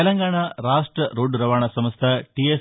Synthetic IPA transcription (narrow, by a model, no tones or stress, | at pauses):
ɛlɐŋɡaːɳaɾaːʂʈɾɐɾoːɖɾɐʋaːɳɐsɐmɐst̪ʰɐʈies